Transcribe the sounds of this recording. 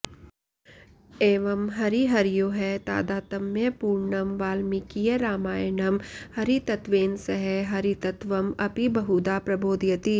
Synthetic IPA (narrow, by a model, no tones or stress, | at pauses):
eːʋɐmɦɐɾiɦɐɾijoːɦɛt̪a̰ːd̪aːt̪ɐmjɐpuːɾɳɐmʋaːlmikijeɾaːmaːjɐnɐmhɐɾit̪ɐt̪ʋeːnsɐɦɛɦɐɾit̪ɐt̪ʋɐmɐpibɐɦud̪aːpɾɐboːd̪jɐt̪i